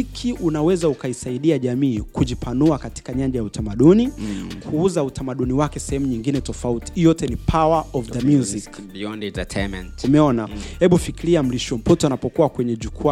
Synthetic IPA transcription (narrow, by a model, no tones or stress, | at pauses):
ikʰiʔunawɛzaukaisaiɗiaʄamiːkuʄipʰanuakati̥kaɲaɲd͡ʒajautamaɗunikʰuuzautʰamaɗuniwakɛsɛhɛmuɲiŋɡinɛtɔfauti̥ijɔtɛnipʰawaɔvðəmjuzik | iɔndtɛtʰɛmɛ̰ntumɛɔnahɛɓufikiɾiam̩liʃɔm̩pɔtɔanapɔkuwakwɛɲɛʄukua